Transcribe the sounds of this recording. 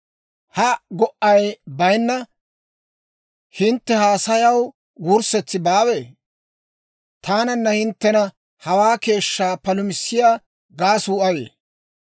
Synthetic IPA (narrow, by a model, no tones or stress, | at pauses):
hɐɡɔʔɐjbɐjnːɐ | hɪnt̪ːɛhaːsɐjɐw | wʊɾsɛt͡sːɪbaːweː | t̪aːnɐnːɐhɪnt̪ːɛnɐ | hɐwaːke̞ːʃːaːpɐlʊmɪsːɪjaː | ɡaːsuːɐjḛː